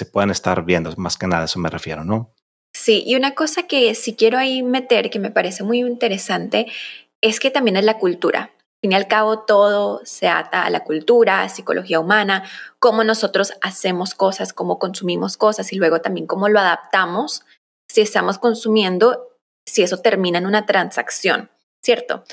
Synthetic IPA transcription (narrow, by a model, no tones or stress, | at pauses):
sepweðenest̪a̰ɾβjend̪omaskenaðaesomerefje̞̰ɾono | siʔḭunako̞sake̞sikje̞ɾo̞aime̞t̪e̞ɾke̞me̞paɾe̞se̞mujint̪e̞ɾe̞sant̪e̞ | e̞ske̞t̪ambje̞ne̞zlakult̪uɾa̰ | afinjalkaβo̞t̪o̞ð̞o̞se̞a̰t̪a̰ːla̰kult̪uɾasiko̞lʔo̞xiaumãnako̞mo̞no̞so̞t̪ɾo̞sase̞mo̞sko̞sasko̞mo̞ko̞nsumimo̞sko̞sasilwe̞ɣ̞o̞t̪ambje̞ŋko̞mo̞lo̞aðap̚t̪amosː | ie̞st̪amo̞sko̞nsumje̞nd̪o̞ | sie̞so̞t̪e̞ɾmĩnaenunat̪ɾansaksjo̞̰n | sje̞ɾt̪o̞̰